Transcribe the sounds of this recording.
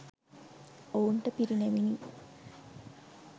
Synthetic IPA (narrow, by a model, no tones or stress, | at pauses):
ouɳʈəpiɾineʋini